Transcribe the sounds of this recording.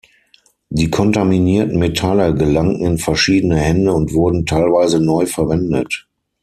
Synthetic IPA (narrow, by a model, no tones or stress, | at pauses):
diːkʰɔntaminiːɐtn̩metʰaləɡəlaŋŋ̩ɪnfɛɐʃiːdənəhɛndəʊntv̥ʊɐdn̩tʰaɪlvaɪzənɔʏfɛɐvɛndə̰t